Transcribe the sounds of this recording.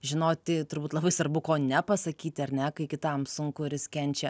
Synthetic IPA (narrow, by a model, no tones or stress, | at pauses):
ʒʲɪnoːt̪ʲɪt̪ʊɾbuːt̪lˠɐbɐɪsʋɐɾbʊkoːnʲɛpɐsɐkʲiːt̪ʲɪɐɾʲnʲɛkɐɪkʲɪt̪ɐmsʊŋkʊɪɾjɪskʲɛnʲt͡ʃʲɛ